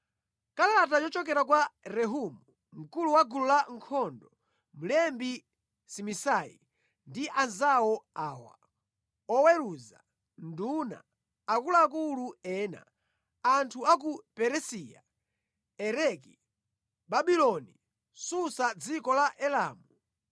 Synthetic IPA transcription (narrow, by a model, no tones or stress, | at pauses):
kalaatat͡ʃɔt͡ʃɔk̬ɛɾakwaɾɛɦumu | m̩kuluwaɡululaŋkʰɔndɔ | mulɛmbi | simisaḭ | ndiʔanzawɔaːwa̰ | ɔwɛɾuza | nduna̰ | akulaːkuluɛːna̰ | antʰuak̬upɛɾɛsia̰ | ɛɾɛki | babilɔni | susad͡zikɔlaʔɛlaːmu